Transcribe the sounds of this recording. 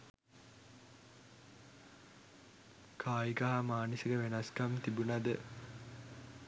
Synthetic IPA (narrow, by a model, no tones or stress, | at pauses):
kʰaːikaɦamaːnəsiɡəʋenɐskamt̪ibunɐd̪ə